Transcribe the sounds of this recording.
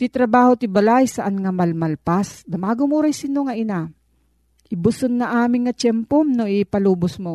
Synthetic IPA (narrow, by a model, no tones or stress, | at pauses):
t̪ɪt̪ɾɐbaːhot̪ɪbɐlajsɐʔanŋɐmɐlmɐlpasd̪ɐmaːɡomuɾajsɪnoŋɐʔɪna | ʔɪbʊsʊnːɐʔaːmɪŋŋɐt͡ʃɛmpomnoʔɪpɐluːbʊsmo